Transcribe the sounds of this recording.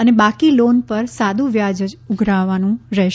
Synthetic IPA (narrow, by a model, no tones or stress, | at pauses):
ənebakilonpəɾsad̪uʋjad͡ʒəd͡ʒʊɡʱɾaʋanũɾɛɦ